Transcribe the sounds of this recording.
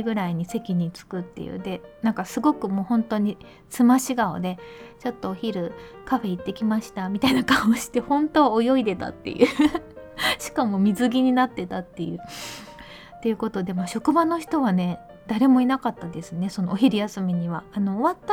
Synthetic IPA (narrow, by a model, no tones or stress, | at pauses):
ɡɯ̟ɾaiɲ̟ise̞kʲiɲ̟it͡sɨ̥kɯ̟t̪ːe̞̰jɯ̰ːd̪e̞nãŋkasɨɡo̞kɯ̟mo̞ːhõ̞nt̪o̞ɲ̟i | t͡sɨmaɕiɡao̰d̪e̞t͡ɕo̞t̪ːo̞ːçiɾɯ̟kaɸe̞it̪ːe̞kʲimaɕi̥t̪amʲit̪ainakãɰoɕi̥t̪e̞hõ̞nt̪o̞ojo̞id̪e̞t̪a̰t̪ːe̞̰jɯ̟ | ɕi̥kamo̞mʲizɨɡʲiɲ̟inat̪ːe̞t̪at̪ːe̞jɯ̟ː | t̪ːe̞jɯ̟ko̞t̪o̞d̪e̞moːɕo̞kɯ̟bano̞çi̥t̪o̞β̞ane̞ | d̪̥aɾe̞mo̞inakat̪ːad̪e̞sɨne̞so̞no̞ːçiɾʲijasɨmʲiɲ̟iβaːno̞ːβat̪ːa